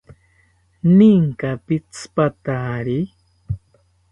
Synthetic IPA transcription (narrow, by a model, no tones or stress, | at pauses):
niŋkapit͡spat̪aːɾi